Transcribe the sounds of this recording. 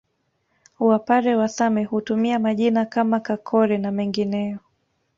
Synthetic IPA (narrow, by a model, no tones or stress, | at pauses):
wapaɾɛwasamɛhutumiamaʄinakamakakʰɔɾɛnamɛŋɡinɛjɔ